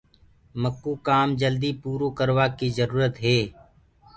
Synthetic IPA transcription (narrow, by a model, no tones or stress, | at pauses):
məkːuːkaːmd͡ʒəld̪ipuːɾoːkəɾʋaːkizəɾuːɾət̪ɦɛː